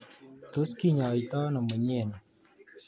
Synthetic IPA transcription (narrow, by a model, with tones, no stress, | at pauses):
t̪o˦ski˦ɲa˨i˨t̪ɔ˦na˨mə˨ɲe˦˨na˨